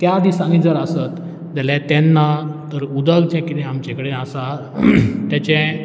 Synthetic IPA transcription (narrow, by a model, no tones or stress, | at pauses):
t̪jad̪ʱisãŋɡid͡zəɾəsət̪ | d͡zalat̪ɛ̃nːat̪əɾud̪əɡd͡ʑɛ̃kid̪ɛ̃amt͡ɕɛ̃kəɽeasa | t̪jat͡ɕɛ̃